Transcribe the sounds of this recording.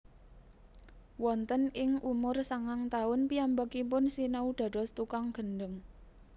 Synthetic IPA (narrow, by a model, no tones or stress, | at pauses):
wɔnt̪ənɪŋʔumʊrsaŋaŋt̪aʊnpiambakipʊnsinəud̪̥ä̤d̥ɔ̤st̪ukaŋɡ̥ə̤nɖəŋ